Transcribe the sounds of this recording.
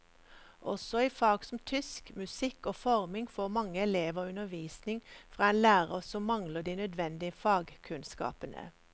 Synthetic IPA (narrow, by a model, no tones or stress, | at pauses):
ʔɔsɔiːfɑːɡsɔm̩t̪ʰʏskmʉsɪkoːfɔʁmɪŋfoːmɑŋːəɛleːʋoːʉnəʋiːsnɪŋfʁɑːɛːnlæːʁəsɔmːɑŋləd̪iːnœd̪ʋɛnd̪ɪəfɑːɡkʰʉnskɑ̰ːpənə̰